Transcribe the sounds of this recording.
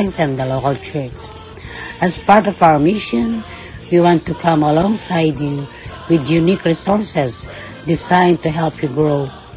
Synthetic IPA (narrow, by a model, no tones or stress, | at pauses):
ŋθɨ̃nd̪əlokəlˠt͡ʃʰɜɹt͡ʃ | æzpaɹtɔvawə˞mɪʃə̃n | wiwɑ̃ntukʰʌ̃məlɔ̃ŋsaɪdju | wɪd̪junikɹisɔɹsɛz | disãɪ̃ntuɦɛlˠpʰjuɡɹoʊ